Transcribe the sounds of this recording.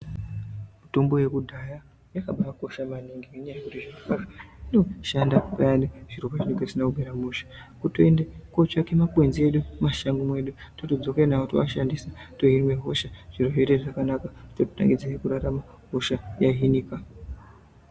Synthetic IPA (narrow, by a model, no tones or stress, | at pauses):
muto̞mbo̞je̞kudʱaja | jakaɓaako̞ʃamaniŋɡeŋeɲajauɾiʐirokaraino̞ʃandapajaneʐ̥irupaʐineŋɡesinaubʱeɾamuʃḁkutoendekot͡ʃake̞makwe̞nzie̞ɗumaʃaŋɡumwe̞ɗutotod͡zo̞kenautowaʃandisato̞ɦirimeɦo̞ʃaʐ̥iroʐeteʐakanakatoto̥ta̰ŋɡid͡zaikuɾaɾama | ɦo̞ʃajaɦiniːka